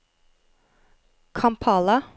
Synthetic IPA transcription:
kʰɑmpʰɑːlɑ

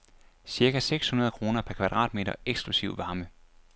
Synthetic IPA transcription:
siɐɡæseɡ̥shunɐð̞ˠkʰʁo̝ːnɐpʰæɐkʰʋæd̥ʁɑ̰̈ːd̥me̝̰ːɾ̥ɐeɡ̥sɡ̥lusiʊ̰ʋɑ̈ːmə

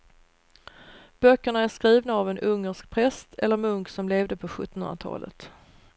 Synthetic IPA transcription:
b̥œkːəɳaæʂkɾiːvnaːvɛnʔɵŋːəʂk̚pʰɾɛst̪ʰɛlːəɾmɵŋksɔmleːvd̪əpʰɔɧɵ̰t̪ːɔnɵnat̪ʰɑ̰ːlʔə̰t̪

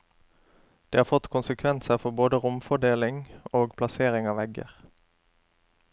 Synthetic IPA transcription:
d̪̥eːhɑːʁfɔt̪kʰʊnsəkʰʋɛnsəʁfɔʁboːd̪əʁʊmfɔɖ̪eːlɪŋoːɡpʰlɑseːʁɪŋɑːʋɛɡə̰ʁ

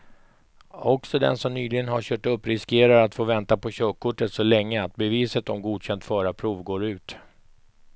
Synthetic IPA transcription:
ɔksɔd̪ɛ̰nsɔmnyːlɪɡənɦaɕœːʈɵpːɾɪskeːɾaɾat̪foːvɛnt̪apʰɔɕøːkʰːʊʈːət̪sɔlɛŋːəat̪̚bɛviːsət̪ɔmɡuːd̪ɕɛnt̪fœːɾapʰɾuːvɡoːɾʉ̟ːt̪

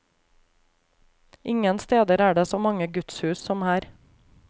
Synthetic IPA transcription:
ʔɪŋənst̪eːd̪əɾæːɖeːsoːmɑŋəɡʉt̪shʉːssɔmæːɾ

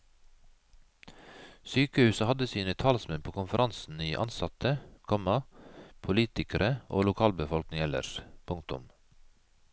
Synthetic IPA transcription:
syːkəhʉːsəhɑd̪əsiːnət̪ʰɑːlsmɛnpʰoːkʰʊnfəɾʔɑnsn̩iːʔɑ̰nsɑt̪ʰəkʰɔmɑpʰʊliːt̪ɪkəɾəʔo̰ːlʊkʰɑːlbəfɔlknɪŋɛlə̰ʃpʰʊŋt̪ʊ̰m

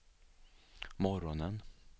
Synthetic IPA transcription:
mɔɾɔnən

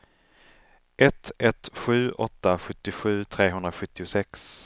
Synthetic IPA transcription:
ʔɛt̪ɛt̪ɧʉ̟ːʔɔt̪ːaɧɵt̪ːɪɧʉ̟ːt̪ʰɾeːɦɵnd̪ɾaɧɵt̪ːɪʊsɛks

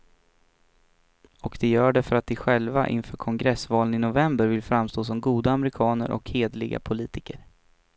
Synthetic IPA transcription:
ɔkd̪̥ɛjœːɖɛfœɾat̪̚d̪ɪɧɛlva̰ʔɪ̰nfœːɾkʰɔŋɡɾɛsvɑːlənɪnʊvɛmbəɾvɪlfɾamːst̪oːs̬ɔmɡuːd̪aːmɛɾɪkʰɑːnə̰ɾʔɔ̰kheːd̪lɪɡa̰pʰʊliːt̪ʰɪkəɾ

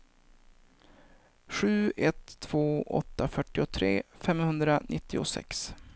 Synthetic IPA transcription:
ɧʉ̟ːɛt̪ʰːv̥oːʔɔ̰t̪ːafœʈːɪʊt̪ʰɾeːfɛmhɵnd̪ɾanʔɪt̪ːɪʊ̰sɛ̰ks

